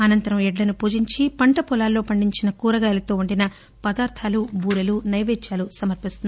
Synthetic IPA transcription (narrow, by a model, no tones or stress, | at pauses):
ɐnɐnt̪ɐɾɐmɛɖlɐnupuːd͡ʒiɲt͡ʃipɐɳʈɐpɔlaːlːo̞ːpɐɳɖiɲt͡ʃinɐkuːɾɐɡaːlɐt̪oːuɳɖinɐ | pɐd̪aːɾt̪ʰaːlubʱuːɾɐlunɐjʋeːt͡ʃaːlusɐmɐɾpist̪un